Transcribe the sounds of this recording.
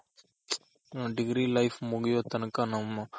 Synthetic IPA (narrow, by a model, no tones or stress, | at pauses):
ɖiɡɾiːlɐjpʰmuɡɛjoːt̪ɐnɐkɐnɐmːɐ